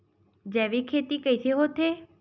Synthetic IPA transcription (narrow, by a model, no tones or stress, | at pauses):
d͡ʒeʋikʰet̪ikəjsʰeɦot̪ʰe